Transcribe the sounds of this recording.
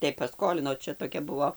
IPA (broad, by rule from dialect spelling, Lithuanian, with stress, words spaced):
tɐɪ pɐˈskoːlʲɪnoː ˈt͡ʃʲɛ toːˈkʲɛ ˈbʊʋoː